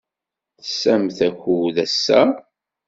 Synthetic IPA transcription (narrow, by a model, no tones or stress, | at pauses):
θəsæmθæçuðæsːæ̰